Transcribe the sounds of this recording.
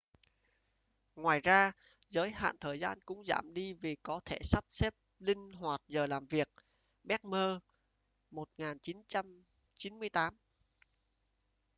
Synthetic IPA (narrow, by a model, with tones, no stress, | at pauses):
ŋwaː˨˩jzaː˧ | zəː˨˦jha̰ː˧˨nt̪ʰəː˨˩jzaː˧nkʊ̰˧˥ŋ͡mza̰ː˧˩mɗi˧vi˨˩kɔ˨˦t̪ʰe˧˩sa˦˥p̚se˦˥p̚lï˧ŋ̟ɦwaː˨˩t̚zəː˨˩laː˨˩mvi˨˩ək̚ | ɓɛ˦˥k̚məː˧ | mo˨˩t̚ŋaː˨˩nt͡ɕi˨˦nt͡ɕa˧m | t͡ɕi˨˦nmɨ˧əjt̪aː˨˦m